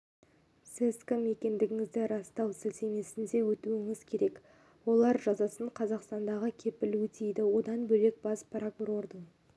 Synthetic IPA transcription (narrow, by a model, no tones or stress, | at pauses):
sɪskəme̞kʲe̞nd̪ɪɡʲɪŋɪzd̪ɪɾɑst̪ɑwsɪlseme̞sɪnd̪e̞wɵt̪uɪŋɪz̥kʲʰe̞ɾe̞k | wo̞lˠɑɾʒɑzɑsəɴqʰɑzɑqst̪ɑnd̪ɑʁəkʲʰe̞pɪlwɵt̪ʰejd̪ɪwo̞d̪ɑnbɵle̞k̚bɑspʰɾakuɾo̞ɾd̪əɴ